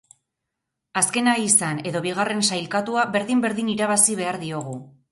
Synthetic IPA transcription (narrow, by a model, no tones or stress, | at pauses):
aske̞naisane̞ðo̞βiɣ̞are̞nsajlkat̪uaβe̞ɾðimbe̞ɾðiniɾaβasiβ̞e̞aɾðio̞ɣ̞u